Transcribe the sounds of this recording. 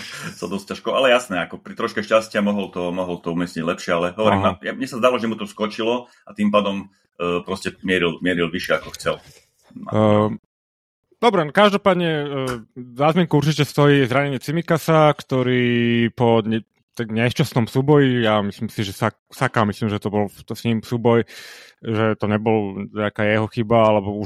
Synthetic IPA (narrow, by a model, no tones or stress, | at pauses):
sad̪ɔs̚caʃkɔalɛjasnɛːakɔpɾit̪ɾɔʃkɛʃcascɪamɔɦɔlt̪ɔmɔɦɔlt̪ɔumɪɛsɲiɟlɛpʃɪɛalɛɦɔʋɔɾɾiajamɲɛsazd̪alɔʒɛmut̪ɔskɔt͡ʃilɔ | at̪impaːd̪ɔmː | pɾɔscɛmɪɛɾilmɪɛɾilʋiʃɪɛakɔxt͡sɛl | a̰ | d̪ɔbɾɛnkaʒd̪ɔpaːd̪ɲɛ | zaːzmɪɛŋkuuɾt͡ʃicɛst̪ɔjiːzɾaɲɛɲɪɛt͡simikasakt̪ɔɾiːpɔɲ | t̪ɛɡɲɛst͡ʃasnɔmsuːbɔjijamisliːmsiʒɛsaksakaːmisliːmʒɛt̪ɔbɔlt̪sɲimsuːbɔjʒɛt̪ɔɲɛbɔlɲɛakaːjɛɦɔxibaalɛbɔu